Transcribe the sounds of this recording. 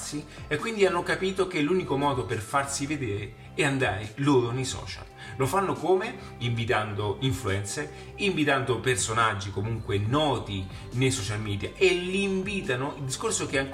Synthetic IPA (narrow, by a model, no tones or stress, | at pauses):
siekːwind̪ianːokapiːt̪okelːuːnikomɔːd̪operfarsived̪eːɾe | ɛand̪aːɾeloːɾonejsɔ̰ːt͡ʃa̰l | lofanːokome | iɱvit̪and̪oiɱfluɛnt̪se | iɱvit̪and̪opersonad͡ʒːikomuŋkwenɔːt̪i | nejsɔt͡ʃalmɛːd̪ja̰ʔeliɱviːt̪anoild̪iskorsok̟eaŋ